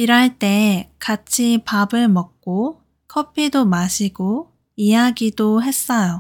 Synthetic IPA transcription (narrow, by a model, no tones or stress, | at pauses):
iɾaɭt͈e̞kat͡ɕʰipabɯɭmʌk̚k͈o | kʰʌpʰidomaɕʰiɡo | ijaɡidoɦe̞s͈ʌjo